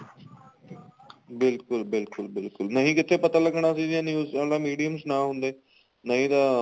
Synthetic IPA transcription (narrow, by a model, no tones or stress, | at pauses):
bɪlkʊlbɪlkʊlbɪlkʊlnɐɦĩkɪt̪ʰepɐt̪aləɡɳ̃asid̪janiusalamiːɽijəmsnaɦũnd̪eː | nɐɦĩt̪a